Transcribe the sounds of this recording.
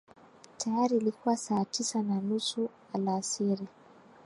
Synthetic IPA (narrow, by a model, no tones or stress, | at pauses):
tʰajaɾiːlikuwasaːtisananusu | alasiɾi